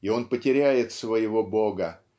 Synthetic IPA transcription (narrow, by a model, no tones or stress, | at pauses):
ɪo̞npətʲɪɾʲæjɪt̪svəjɪvo̞bo̞ɡə